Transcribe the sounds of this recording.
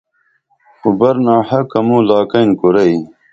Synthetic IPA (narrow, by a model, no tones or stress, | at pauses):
ubɐɾnaːhɐkɐmuːlaːkɐjnkuɾɐj